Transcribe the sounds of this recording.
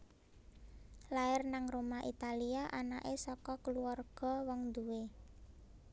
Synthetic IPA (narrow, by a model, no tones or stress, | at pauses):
laɪrnaŋromaʔit̪aliaʔanaʔesɔkɔkəluarɡ̥ɔ̤wɔŋd̪uwe